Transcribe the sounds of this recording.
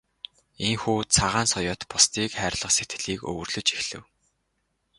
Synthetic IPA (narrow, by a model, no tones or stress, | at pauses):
eŋxuːt͡sʰaʁaːnsɔjɔːt̪pʊst̪iːkχæːrɮə̆qset̪ɡɘ̆ɮiːkɵ̰wɵ̆rɮɵ̆t͡ɕi̥xɮɘ̆w